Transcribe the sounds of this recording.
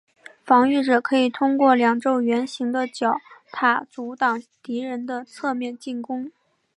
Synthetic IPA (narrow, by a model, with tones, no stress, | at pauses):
fɑ˧˥ŋy˥˩ʈ͡ʂɤ˨˩kʰɤ˧˥i˨˩t̪ʰʊ˥ŋkwɔ˥˩ljɑ˨˩ŋʈ͡ʂo˥˩ʊɥɛ˧˥nɕi˧˥ŋd̪ə˧t͡ɕjɑ˨˩˦ʊt̪ʰa˥˩t͡su˧˥t̪ɑ˨˩ŋt̪i˧˥ɻə˧˥nd̪ə˧t͡sʰɤ˥˧mjɛ˥˧nt͡ɕi˥˩nkʊ˥ŋ